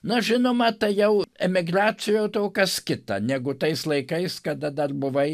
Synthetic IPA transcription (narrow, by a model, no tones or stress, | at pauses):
nʊʒʲɪnoːmɐt̪ɐɪjɛʊɛmʲɪɡɾɑːt͡sʲɪjɛʊt̪oʊkɐskʲɪt̪ɐ̰nʲæɡʊt̪ɐɪslˠɐɪkɐɪskɐd̪ɐd̪ɐrbʊʋɐɪ